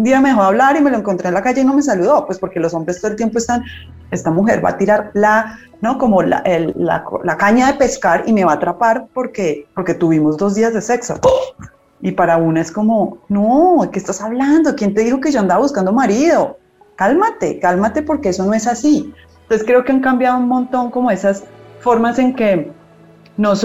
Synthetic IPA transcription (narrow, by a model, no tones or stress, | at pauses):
und̪iame̞ðexoaβlaɾime̞loeŋko̞nt̪ɾenlakad͡ʒeino̞me̞s̬aluðo̞pwespo̞ɾke̞lo̞so̞mbɾest̪oelt̪je̞mpoe̞st̪an | e̞st̪amuxe̞ɾba̰t̪iɾaɾla | no̞ko̞mo̞la̰ʔelːa̰kolakaɲaðe̞pe̞skaɾime̞βaːt̪ɾapaɾpo̞ɾke̞po̞ɾke̞t̪uβimo̞zd̪o̞zd̪iazd̪e̞se̞kso | ipaɾaunaesko̞mo̞nokest̪asaβland̪o̞kje̞nt̪e̞ðixo̞ke̞ʝo̞and̪aβaβuskand̪o̞maɾiðo̞ | kalmat̪e̞kalmat̪e̞po̞ɾke̞eso̞no̞e̞sasi | t̪oseskɾe̞oke̞aŋkambjaðounmõ̞nt̪o̞ŋko̞mo̞e̞sasfo̞ɾmase̞ŋke̞ | nos